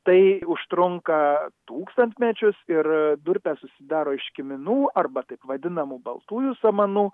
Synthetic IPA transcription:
t̪ɐɪʊʃt̪ɾʊŋkɐt̪uːkst̪ɐnʲt̪ʲmʲɛt͡ʃʲʊsɪɾd̪ʊɾʲpʲæsʊsʲɪd̪ɑːɾoːɪʃkʲɪmʲɪnuːʔɐrbɐt̪ɐɪpʋɐd̪ʲɪnɐmuːbɐ̰lˠt̪uːjuːsɐmɐnuː

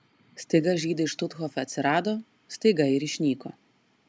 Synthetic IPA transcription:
sʲt̪ʲɛɡɐʒʲiːd̪ʲɪʃt̪ʊt̪xɔfɛɐt̪sʲɪɾaːd̪ɔ | sʲt̪ʲɛɡɐɪɾiʃʲnʲiːkɔ

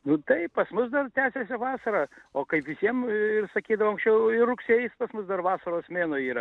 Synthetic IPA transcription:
nʊt̪ɐɪppɐsmʊsd̪ɐrt̪ʲæːsʲesʲɪʋɑːsɐɾɑːoːkɐɪpʋʲɪsʲiɛmɪrsɐkʲiːd̪ɐʋoːɐŋksʲt͡ʃʲɛʊɪrrʊksʲeːjɪspɐsmʊsd̪ɐrʋɑːsɐɾoːsmʲeːnoːiːɾɐ

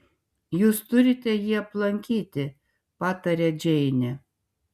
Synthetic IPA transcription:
juːst̪ʊɾʲɪt̪ʲɛjiːɐplˠɐŋʲkʲiːt̪ʲɪ | pɑːt̪ɐɾʲɛːd͡ʒʲɛɪnʲɛ

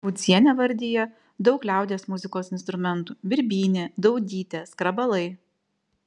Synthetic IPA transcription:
bʊt̪sʲiɛnʲɛʋɐɾʲd̪ʲijɛ | d̪ɒʊklʲæˑʊd̪ʲeːsmʊzʲɪkoːsɪnst̪ɾʊmʲɛnt̪uːbʲɪɾʲbʲiːnʲɪd̪ɐʊd̪ʲiːt̪ʲeskɾɐbɐlˠɐɪ

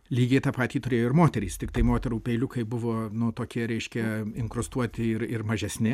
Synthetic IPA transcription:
lʲiːɡʲeːt̪ɑːpɑːt̪ʲiːt̪ʊɾʲejoːɪɾmoːt̪ʲɛɾʲiːst̪ʲɪkt̪ɐɪmoːt̪ʲɛɾuːpʲɛɪlʲʊkɐɪbʊʋoːnʊt̪oːkʲiɛɾʲɛɪʃʲkʲɛɪŋkɾʊst̪uɔt̪ʲɪɪɾɪrmɐʒʲɛsʲnʲɪ

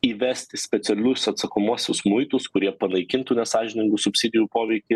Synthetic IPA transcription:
iːʋʲɛsʲt̪ʲɪsʲpʲɛt̪sʲɛlʲʊsɐt̪sɐkomuɔsʲʊsmʊɪt̪ʊskʊɾʲiɛpɐnɐɪkʲɪnt̪uːnʲɛsɑːʒʲɪnʲɪŋɡʊsʊpʲsʲɪd̪ʲɪjupoːʋʲɛɪkʲɪ

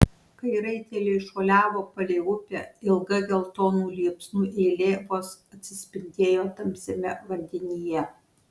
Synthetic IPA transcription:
kɐɪɾɐɪt̪ʲeːlʲeɪʃoːlʲæːʋoːpɐlʲɛɪʊpʲeːɪlˠɡɐɡʲɛlˠt̪oːnuːlʲiːpsnuːʔeːlʲeːʋoːsɐt̪ʲsʲɪsʲpʲɪnʲd̪ʲeːjoːt̪ɐmʲpʲsʲemʲɛʋɐnʲd̪ʲɛnʲiːjɛ

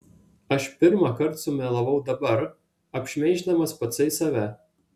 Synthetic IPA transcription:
ɐʃpʲɪɾmɑˑkɐɾt̪sʊmʲɛːlˠɐʋɐʊd̪ɐbɐɾ | ɐpʲʃʲmʲɛɪʒʲd̪ɐmɐspɐt̪sʲɐɪsɐːʋʲæ

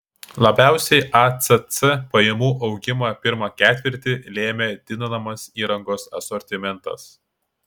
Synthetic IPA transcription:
lˠɐbʲæˑʊsʲɛɪʔɑt̪sɛt̪sɛpɐjɛmuːʔɒʊɡʲɪmɐpʲɪɾmɐkʲæːt̪ʲʋʲɪɾʲt̪ʲɪlʲeːmʲed̪ʲɪnɐnɐmɐsiːɾɐŋɡoːsɐ̰sɔɾʲt̪ʲɪmʲɛnt̪ɐ̰s

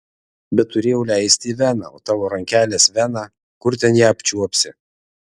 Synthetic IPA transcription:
bʲɛt̪t̪ːʊɾʲeːjɛʊlʲæɪsʲt̪ʲiːʋʲænɑ̰o̰ːt̪ɑːʋoːɾɐŋʲkʲæːlʲeːsʋʲænɑː | kʊɾt̪ʲɛnjæːɐpʲt͡ʃʲuɔpʲsʲɪ

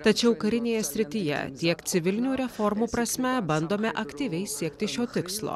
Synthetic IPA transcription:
t̪ɐt͡ʃʲɛʊkɐɾʲɪnʲeːjɛsʲɾʲɪt̪ʲijɛ̰t̪ʲiɛkt̪sʲɪʋʲɪlʲnʲuːɾʲɛfɔɾmuːpɾɐsʲmʲɛbɐnd̪oːmʲɛʔɐkʲt̪ʲiːʋʲɛɪsʲiɛkt̪ʲɪʃʲoːt̪ʲɪkslˠo̰ː

